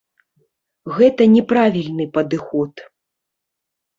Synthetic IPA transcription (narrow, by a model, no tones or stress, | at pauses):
ɣɛt̪ɐnʲɛpɾavʲilʲnɨpɐd̪ɨxɔt̪